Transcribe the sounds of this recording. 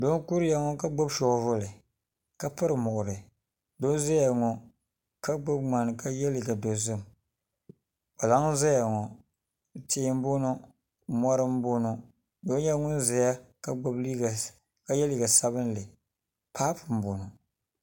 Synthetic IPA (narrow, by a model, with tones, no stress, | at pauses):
do˦n˦ku˦ɾɪ˦ja˨ŋɔ˦ka˦ɡ͡bo˦bʃɔ˨vʊ˦lɨ˨ | ka˦pɨ˦ɾɨ˨mʊ˨ʔʊ˨ɾɨ˨ | do˦n˦zɛ˦ja˨ŋɔ˨ | ka˦ɡ͡ba˦b̚ŋ͡ma˨n˨ka˦jɛ˦li˨ɡa˨bɛ˨zʊ˦˨m˨ | ba˨la˨˦ŋ˦za˦ja˨ŋɔ˨ | teː˦m˦bo˦nɔ˦ | mɔ˦ɾɨ˦m˦bo˦nɔ˦ | do˦n˦ɲɛ˦ŋʊ˦n˦zɛ˨ja˦ka˦ɡ͡ba˦bi˦˨ | ka˦jɛ˦li˦˨ɡa˨sa˦βɨ˦n˦lɨ˨ | pʰaː˦pɨ˨m˨bo˨nɔ˨